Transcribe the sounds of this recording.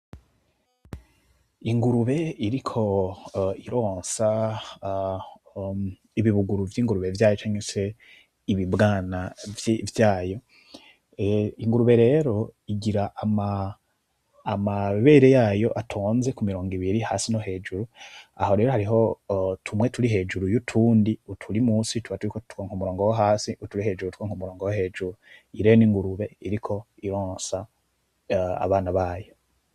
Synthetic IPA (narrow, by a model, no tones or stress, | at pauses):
iŋɡuɾuβe̞iɾikʰo̞ | iɾo̞ːnsa | iβiβuɡuɾuvjiːŋɡuɾuβe̞vjaːjot͡ʃaːɲese̞ | iβibɡaːnavjvjaːjo̞ | iŋɡuɾuβe̞ɾe̞ːɾo̞iɡiɾaʔa | maβe̞ːɾe̞jaːjo̞ʔatʰoːnze̞kumiɾoːŋɡiβiɾihaːsinoɦe̞ːd͡ʒuɾua̰ho̞ɾe̞ːɾoɦaɾiɦo̞tʰumwe̞tuɾiɦe̞ːd͡ʒuɾujutʰuːndiutʰuɾimuːsituβatuɾikotu̥kaŋ̥humuɾo̞ːŋɡowaɦaːsiutuɾihe̞ːd͡ʒuɾutu̥koŋhumuɾo̞ːŋɡowaɦe̞ːʒuɾuiɾejoniːŋɡuɾuβe̞iɾikʰo̞ | iɾoːnsa | a̰βaːnaβaːjo̞